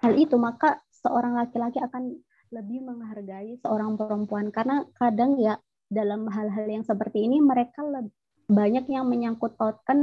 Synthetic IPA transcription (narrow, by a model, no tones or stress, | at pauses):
halit̪umakasəʔoɾaŋlakilakiakan | ləbɪhməŋɦarɡaisəoɾaŋpəɾəmpuankarnakadaŋja | dalamɦalɦaljaŋsəpərt̪iːniməɾekaləb | baɲakjaŋməɲaŋkʊt̪ːot̪̚kan